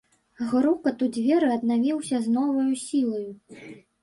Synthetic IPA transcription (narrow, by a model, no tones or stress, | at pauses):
ɣɾukɐt̪ud͡zʲvʲɛɾɨɐd̪̚navʲiwsʲɐznɔvɐjusʲilˠɐju